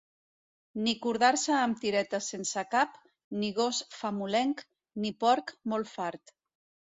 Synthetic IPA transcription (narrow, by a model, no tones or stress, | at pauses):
nikuɾðaɾsaːmt̪iɾɛt̪asensakap | niɣ̞osfamulɛŋk | nipɔɾkmolˠfaɾt̪